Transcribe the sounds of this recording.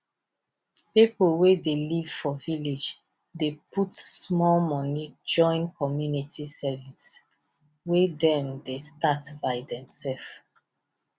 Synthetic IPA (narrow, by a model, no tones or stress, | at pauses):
pipəlwedeliv̥fɔviled͡ʒ | deputsmɔlmɔnid͡ʒɔ̃ɪ̃nkʰɔmjunitʰisɛvis | wedɛ̃mdestatbaɪdɛ̃msɛlf